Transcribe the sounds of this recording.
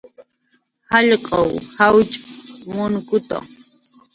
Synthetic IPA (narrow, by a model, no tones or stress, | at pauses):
haʎqʼowhawt͡ʃʼmʊnkʊt̪a̰